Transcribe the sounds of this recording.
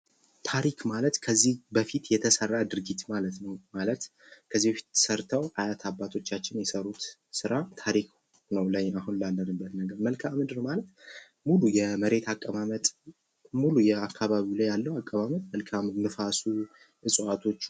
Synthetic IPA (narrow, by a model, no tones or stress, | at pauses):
t̪ʰaɾikʰmalət̪kʰəzːihbəfit̪jɛt̪ʰəsərːad̪ɨɾɡit̪malət̪nəwmalət̪ | kʰəzːibəfi̥t̪ːsəɾt̪ʰəwʔajat̪ʰabːat̪ʰo̞t͡ʃːat͡ʃːɪnjɛsəɾut̪sɨɾat̪ʰaɾikʰ | nəwləɲːahunlalːənɨbːət̪nəɡəɾməlkʰamɨd̪ɨɾmalət̪ | mulujɛməɾe̞t̪ʰakʼːəβamət̪ʼ | mulujɛakʰːaβaβilajːalːəwakʼːəβamət̪̚məlkʰamɨd̪mɨfasu | ʔɨsʼat̪ʰo̞t͡ʃː